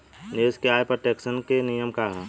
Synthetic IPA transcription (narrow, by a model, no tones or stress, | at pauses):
neskeaːjpɾəʈeksənkenijəmkaɦɛ